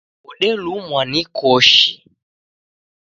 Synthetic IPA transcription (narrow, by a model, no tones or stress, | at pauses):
uɗɛlumwanikɔʃi